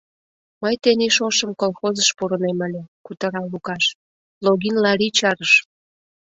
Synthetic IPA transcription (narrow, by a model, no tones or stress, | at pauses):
məjt̪eniʃoʃəmkolxozəʃpuɾə̆nemə̆lʲĕkut̪ə̆ɾɑlukɑʃ | loɣinlɑɾit͡ɕɑɾəʃ